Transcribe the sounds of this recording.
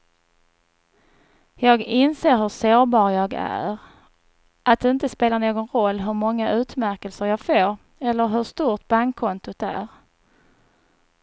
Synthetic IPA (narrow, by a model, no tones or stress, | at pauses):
jɑːɡɪnseːɾɦɵʂoːɾbɑːɾjɑːɡæ̰ɾ | ʔat̪̚d̪ɛɪnt̪əspeːlaɳoːɡɔnɾɔlːɦɵɾmɔŋːaʔʉ̟ːt̪mæɾkəlsəɾjɑːɡfoːɾ | ɛlːəɾɦɵʂt̪uːɾʈ̪baŋkʰːɔnt̪ʊt̪æ̰ɾ